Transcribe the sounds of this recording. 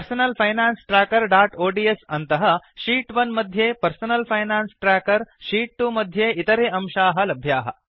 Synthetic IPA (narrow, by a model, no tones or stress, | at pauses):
pɐɾsɐnɐlpʰɐjnaːnsʈɾaːkɐɾɖaːʈoːɖiːesɐnt̪ɐɦɐʃiːʈʋɐnmɐd̪ʱjeːpɐɾsɐnɐlpʰɐjnaːnsʈɾaːkɐɾʃiːʈ̚ːumɐd̪ʱjeːʔit̪ɐɾeːɐmʃaːɦɐlɐbʱjaːɦɐ̰